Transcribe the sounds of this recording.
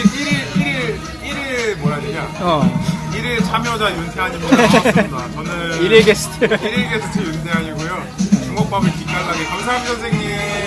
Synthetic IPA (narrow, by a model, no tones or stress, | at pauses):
iɾiɾiɾiɾ | iɾimwʌɾaɲiɲaʌiɾɯt͡ɕamjʌd͡ʑajunsʰeɦaɲiɡodat͡ɕʌnɯɾiɾeɡes͈ʰɯ̥tʰeɾeɭɡesʰɯt͡ɕʰejundʰeɦaɲiɡojo | t͡ɕuŋɡʌk̚p͈abɯɭkikɡaɡaɡekjʌŋsʰambjʌnsʰeɡi